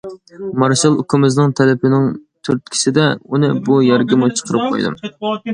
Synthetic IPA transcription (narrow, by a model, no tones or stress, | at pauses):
mɑɾʃɑlˠukʲʰumɪznɨŋt̪ʰɛlɪpʰɪnɪŋt̪ʰyɾt̪̚kʲʰi̥sɪd̪ɛunɨbujɛɾɡʲɪmut͡ʃʰə̥qʰəɾɨp̚qʰo̰jd̪ɨ̰m